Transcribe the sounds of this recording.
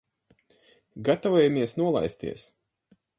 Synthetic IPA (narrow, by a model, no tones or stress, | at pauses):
ɡat̪avojamiɛsnuɔlˠa̰jst̪ḭɛs